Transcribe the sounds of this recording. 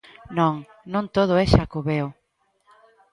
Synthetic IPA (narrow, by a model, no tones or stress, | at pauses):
nõŋ | nõnt̪oð̞ʊɛʃakoβeo